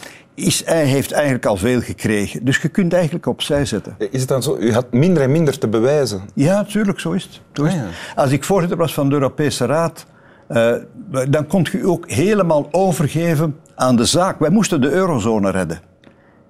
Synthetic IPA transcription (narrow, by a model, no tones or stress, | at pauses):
ɪsɛjɦeftɛjɣənələkɑlˠveːlˠɣəkreːɣədɵsxəkʏntɛjɣəntləkɔpsɛjzɛtəɪsət̚dɑnzoyɦɑtmɪndəɾɛnmɪndərtəbəʋɛːzəjaːtyːrləksoːɪsətsoːɪsɑlˠsɪkfoːrzɪtərʋɑsfɑndəøːɾopeːsəraːt | dɑnkɔntxyoːkɦeːləmaːlˠoːvərɣeːvən | aːndəzaːkʋɛjmustəndəøːɾozoːnərɛdə